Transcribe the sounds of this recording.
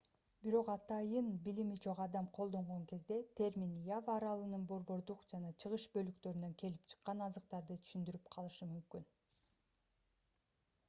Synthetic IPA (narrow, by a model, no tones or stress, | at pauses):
biɾo̞qɑt̪ɑjɯnbilimit͡ʃʰo̞qɑd̪ɑmqʰolˠd̪o̞ɴʁo̞ŋke̞zd̪e̞t̪ʲʰe̞ɾmʲinjavɑɾɑlˠɯnɯnbo̞ɾbo̞ɾd̪uqd͡ʒɑnɑt͡ʃʰɯʁɯʃbø̞lykt̪ø̞ɾynø̞ŋke̞lipt͡ʃʰɯ̥qːɑnɑzɯq̚t̪ɑɾd̪ɯt̪ʰy̥ʃynd̪yɾypqʰɑlˠɯʃɯmymkyn